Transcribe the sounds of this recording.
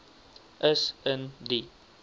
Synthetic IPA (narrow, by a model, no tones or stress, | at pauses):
ʔɛsəndi